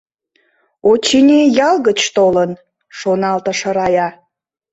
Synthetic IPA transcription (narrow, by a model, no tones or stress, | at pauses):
ot͡ɕinʲejɑlɣət͡ɕt̪olən | ʃonɑlt̪ə̆ʃə̆ɾɑjɑ